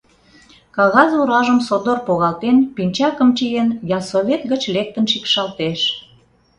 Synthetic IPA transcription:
kɑɣɑzuɾɑʒəmsod̪orpoɣɑlt̪enpinʲt͡ɕɑkəmt͡ɕijenjɑsoβʲet̪ɣət͡ɕlek̚t̪ənʃikʃɑlt̪eʃ

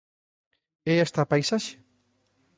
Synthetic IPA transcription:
eest̪apajsaʃe̥

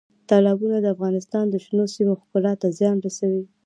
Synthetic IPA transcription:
t̪ɑlɑbunad̪əafɣɑnɪst̪ɑnd̪əʃnosimoxkulɑt̪azjɑnɾasawi

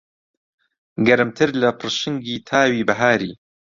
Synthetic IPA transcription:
ɡɐɾɨmt̪ʰɨɾlɐpʰɨrʃɨŋɡiːt̪ʰaːwiːbɐɦaːɾiː

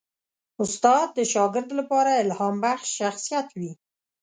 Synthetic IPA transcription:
ʊst̪ɑd̪̚ːəʃɑɡɪɾd̪lapɑɾaɪlhɑmbaxʃːaxsijat̪wi

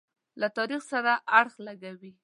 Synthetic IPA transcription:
lat̪ɑɾixsaɾaʔaɽxlaɡawi

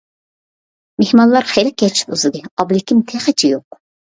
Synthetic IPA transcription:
mehmɑnlˠɑɾχejɾɛk̚ʲɡʲɛt͡ʃʰɪ̥t̪uzɨɡ̪ʲɛɑblɪkʲːimt̪ʰɛχɛt͡ʃʰijoq

